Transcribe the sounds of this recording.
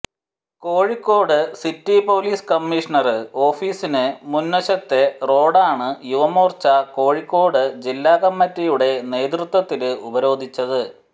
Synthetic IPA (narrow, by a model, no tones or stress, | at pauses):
ko̞ːɻikːo̞ːɽɨsitːipo̞ːliːskɐmːiʂɐɳɐrɨo̞ːfiːsinɨmunwɐɕɐt̪ːe̞ro̞ːɽaːɳɨjuʋɐmoːrt͡ɕɐko̞ːɻikːo̞ːɽɨd͡ʑilːaːɣɐmːɐtːijuɽe̞ne̞ːd̪̬rɨt̪wɐt̪ːilɨubɐɾo̞ːd̪ʱit͡ɕːɐðɨ